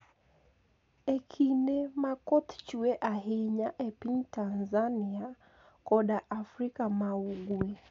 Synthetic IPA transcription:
ɛkʰinɛmakɔt̪t͡ʃuɛʔaɦiɲaʔɛpintanzania | kɔɗaʔːfɾikamauɡuɛ

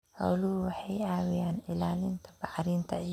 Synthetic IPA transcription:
hɐ̰wlʊhʊwɑħɑjaːwɪjaːnɪlaːlɪnt̪ʰɐ̥bɑħɾiːnt̪ʰɐ

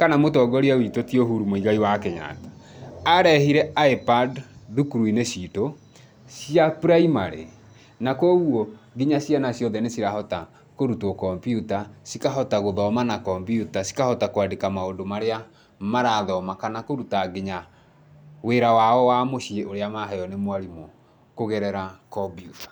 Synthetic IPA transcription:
kanamotɔɡɔɾiawitotioɦuɾumoiɣaiwakeɲa̰tḁaɾɛhiɾɛaepadðukuɾuineɕito | sjapuɾaimaɾḛ | nakɔɣwɔɡeɲaɕjanasjɔðɛnesiɾahɔta | koɾutɔkɔmbiutasikaɦɔtaɣoðɔmanakɔmbjutasi̥kahɔtakoadekamaodomaɾea | maɾaðɔmakanakoɾutaɡeɲa | weɾawaɔwamoʃieʔoɾeamaɦɛjɔnemwaɾimɔ | koɣɛɾɛɾakɔbjutḁ

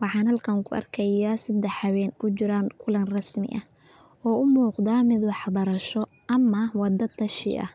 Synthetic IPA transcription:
wɑħɑːnhɐlkʰɐŋkʰʊʔɐ̰rkʰɐjaːsɐd̪ɛħɐwɛːnkʰʊt͡ʃɪɾaːŋkʰʊlɐnrɐsmɪ̰ʔɐ | ɔːʊmuːqd̪aːmɪd̪wɑħɑbɐɾɐʃɔ | ʔɐmɐwɑd̪ɐt̪ʰɐʃɪ̰ʔɐ̰h

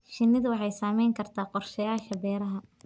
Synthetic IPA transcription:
ʃɪnːɪðwɑħɑjsaːmɛjŋkʰɐrt̪ʰaːqɔrʃɐjaːʃɐbɛːɾɐɦɐ

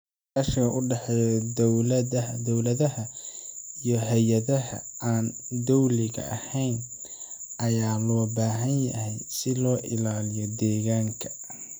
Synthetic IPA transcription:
kɐːʃɡɐʔʊɖɛħɛjɔd̪ɔwlɐd̪ɔwlɐðɐɦɐ | ijɞɦɛjɐðɐɦɐ̰aːn | d̪ɔwlɪɣɐ̰ʔɐ̰hɛjn | ʔɐjaːlɔːbaːɦɐnjɐ̰hɛjsɪlɔːʔɪ̰laːlɪjɔd̪ɛːɣaːŋkʰɐ̥

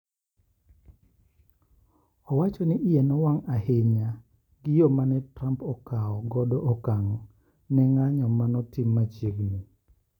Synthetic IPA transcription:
ɔwat͡ʃɔnɪʔijɛnɔwaŋaheɲa | ɡɪjomanɛtɾampɔkaɔɡɔdɔʔɔkaŋɔ | nɛŋaɲɔmanɔtɪmːat͡ʃeɡni

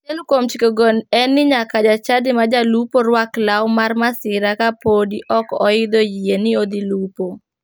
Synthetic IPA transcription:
t͡ʃɛlkwomt͡ʃikoɡonɛnːɪɲakad͡ʒat͡ʃadɪmad͡ʒalupoɾwaklawmarmasɪɾakapodiʔɔkɔɪd̪ojienɪod̪ilupo

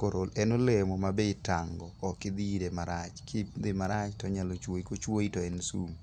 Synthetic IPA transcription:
koɾolɛnolɛmɔmabeɪta̰ŋɡɔːkɪd̪idemaɾat͡ʃkʰɪd̪ɪmaɾat͡ʃtɔɲalot͡ʃwoikot͡ʃwoitɔɛnsum

